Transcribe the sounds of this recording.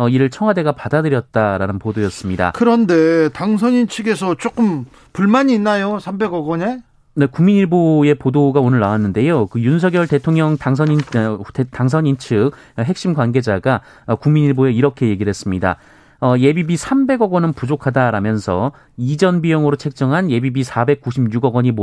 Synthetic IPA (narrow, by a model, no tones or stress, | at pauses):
ʌiɾɯɭt͡ɕʰʌŋwade̞ɡapadadɯɾjʌt̚t͈aɾanɯnpodojʌs͈ɯmɲida̰kɯɾʌnde̞taŋs̬ʰʌɲint͡ɕʰɯɡe̞sʰʌt͡ɕ͈ok͈ɯm | puɭmaɲiːnːajosʰambe̞ɡʌɡʌne̞ | ne̞kuŋmiɲiɭboje̞podoɡaonɯɭːnawanːɯnde̞jokɯjuns̬ʰʌɡjʌɭte̞tʰoŋɲjʌŋtaŋs̬ʰʌi | taŋs̬ʰʌɲint͡ɕʰɯk̚ | ɦe̞k̚ɕ͈imɡwanɡed͡ʑaɡa | ʌkuŋmiɲiɭboeiɾʌkʰe̞je̞ɡiɭhe̞s͈ɯmɲida̰ | ʌje̞bibisʰambe̞ɡʌɡʌnɯnpud͡ʑokʰadaɾamjʌnsʰʌ̰ | id͡ʑʌnbijʌŋɯɾot͡ɕʰe̞k̚t͡ɕ͈ʌŋɦanje̞bibisʰabe̞k̚k͈uɕʰibɲuɡʌɡʌɲimo